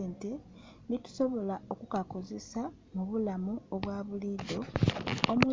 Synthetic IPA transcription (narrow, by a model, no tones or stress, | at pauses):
eːnte̞ | nitu̥so̞βo̞lao̞kukako̞ze̞sa | muβulamuoβwaːβuliːd̪o̞ː | mu